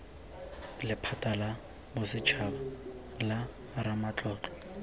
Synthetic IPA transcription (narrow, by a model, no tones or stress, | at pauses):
lɪpʰatʼala | bʊsɪt͡ʃʰaba | la | ɾamat͡ɬʼɔːt͡ɬɔ̥